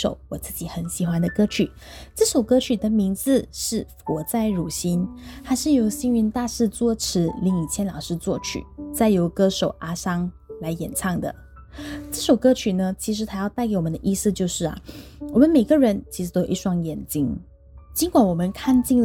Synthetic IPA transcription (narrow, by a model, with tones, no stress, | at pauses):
ʂo̰˨˩ʊwɔ˨˩t͡sɹ̩˥˩t͡ɕi˨˥˦xə˧˩nɕi˨˩xwa˦nd̪ə˨kɤ˥t͡ɕʰy˨˩ | ʈ͡ʂ̩˥˩ʂo˨˩ʊkɤ˥t͡ɕʰy˨˩d̪ə˨mi˧˥ŋd͡zɹ̩˧ʂɻ̩˥˩fwɔ˧˥t͡sa˥˩ɪɻu˨˩ɕi˥nxa˧˥ɪʂɻ̩˥˩jo˧˥ʊɕi˥ŋy˧˥nt̪a˥˧ʂɻ̩˥˧t͡swɔ˥˧˩ʈ͡ʂʰɻ̩˧˥li˧˥ŋi˨˩t͡ɕʰjɛ˥nlɑ˨˩ʊʂɻ̩˥˧t͡swɔ˥˩t͡ɕʰy̰˨˩t͡sa˥˩ɪjo˧˥ʊkɤ˥ʂo˨˩ʊʔa˥ʂɑ˥ŋla˧˥ɪjɛ̰˨˩nt͡sʰɑ˥˩ŋd̪ə̰˩ | ʈ͡ʂɤ˥˩ʂo˨˩ʊkɤ˥t͡ɕʰy˨˩nə˧t͡ɕʰi˧˥ʂ̬ɻ̩˧˥t̪ʰa˥jɑ˥˧ʊt̪a˥˩ke˧˥ɪwɔ˨mə˧˦d̪ə˧ʔi˥˧sɹ̩˧t͡ɕjo˥˧ʊʂɻ̩˥˩ɐ̰˨˩wɔ˨˩mə˦nme˨˩ɪɡə˦ɻə˧˥nt͡ɕʰi˧˥ʂɻ̩˧˩t̪o˥ʊjo˨˩˧i˥˧˩ʂwɑ˥˩ŋjɛ˨˩nt͡ɕi˥n | t͡ɕi˧˥ŋkwa˧˩nwɔ˨˩mə˦nkʰa˥˧nt͡ɕi˥˩ŋ